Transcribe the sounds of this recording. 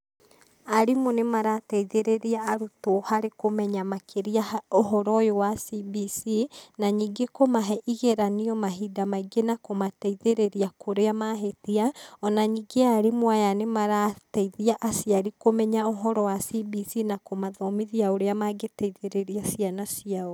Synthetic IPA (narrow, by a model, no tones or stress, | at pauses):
aɾimonemaɾatɛiðeɾeɾiaːɾutohaɾekomɛɲamakʰeɾiaoɦɔɾɔjowasibisinaɲiːɡekomaɦɛʔiɣeɾaniɔmaɦidamaiɡenakomatɛiðeɾeɾiakoɾeamaɦetiaɔnaɲiɡeaɾimwajanemaɾatɛiðiaʔasiaɾikomɛɲaoɦɔɾɔwasibisinakomaðɔmiðiaoɾeamaɡetɛiðeɾeɾiasjanasiao